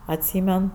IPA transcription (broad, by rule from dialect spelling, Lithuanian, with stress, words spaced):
ɐtʲˈsʲiːmʲɛn